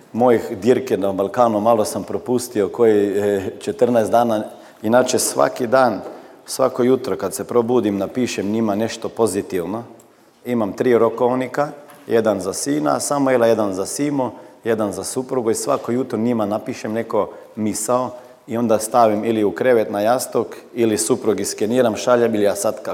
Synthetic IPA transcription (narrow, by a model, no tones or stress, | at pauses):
mojixd̪iɾkenabalˠkaːnumalo̞sampɾopust̪iokojit͡ʃet̪ərnajsd̪aːna | inat͡ʃesʋa̰kid̪aːn | sʋa̰kojut̪ɾokad̪sepɾobud̪imnapiːʃemɲimane̞ʃt̪opo̞zit̪iwno | imamt̪ɾiːɾokoʋnika | jed̪anzasiːna̰samojelˠaje̞d̪anzasiːmoje̞d̪anzasupɾuɡoisʋa̰kojut̪ɾoɲimanapiʃemneko̞ | misao | io̞nd̪ast̪aʋimiliukɾeʋet̪najast̪okilisupɾuɡiskeniːɾamʃaʎamilijasat̪ka